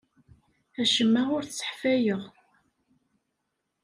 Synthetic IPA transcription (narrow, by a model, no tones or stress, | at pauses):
æʃəmːæʁʊɾθt͡sːə̥ħfæjəʁ